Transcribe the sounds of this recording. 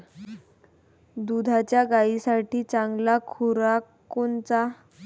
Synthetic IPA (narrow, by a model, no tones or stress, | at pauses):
d̪ud̪ʱat͡ɕjaɡaisaʈiːt͡saŋɡlakʰuɾa | kont͡sa